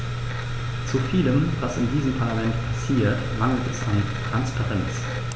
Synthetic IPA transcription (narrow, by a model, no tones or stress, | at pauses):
t͡sufiːləmvasɪndiːzəmpʰaɐlamɛntpʰasiːɐtmaŋl̩tɛsa̰n | tʁ̥anspʰaʁɛnt͡s